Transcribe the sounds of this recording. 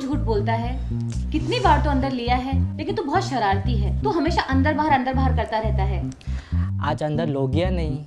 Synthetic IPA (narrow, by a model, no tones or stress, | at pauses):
d͡ʒʱuːʈ̚boːlt̪aɦɛː | kɪt̪nibaːɾt̪oɐ̃nd̪əɾlijaɦɛleːkɪnt̪obɔɦːt̪ʃɐɾaːɾt̪iɦɛːt̪oɦɐmeːʃaʔɐ̃nd̪əɾbaːɦəɾɐ̃nd̪əɾbaːɦəɾkɐɾt̪aɾɛɦt̪aɦɛː | a̰ːd͡ʒɐ̃nd̪əɾloːɡijãnɐɦĩ